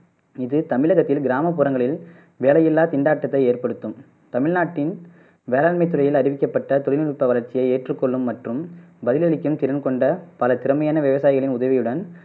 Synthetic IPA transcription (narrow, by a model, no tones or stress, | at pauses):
ɪðɯt̪ɐmɪɭɐɣɐt̪ːɪlɡɪɾaːmɐpːuːɾɐŋɡɐɭɪl | ʋeːlɐjɪlːaːt̪ɪɳɖaːʈːɐt̪ːɐɪeːrpɐɽɯt̪ːɯm | t̪ɐmɪɻnaːʈːɪn | ʋeːlaːɭmɐɪt̪ːɯɾɐjɪlɐɾɪʋɪkːɐpːɐʈːɐt̪ɔɭɪnɪɻɯpːɐʋɐlɐɾt͡ʃːɪjɐɪeːʈrɯkːɔɭːɯmːɐʈrɯmbɐðɪlɐɭɪkːɯmt̪ɪɾɐnkɔɳɖɐpɐlɐt̪ɪɾɐmɐjaːnɐʋɪʋɐsaːjɪɣɐɭɪnʊðɐʋɪjɯɽɐn